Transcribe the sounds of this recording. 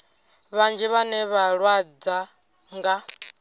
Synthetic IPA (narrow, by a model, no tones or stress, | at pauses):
βand͡ʒɛβanɛβaɺwad͡za | ŋɡa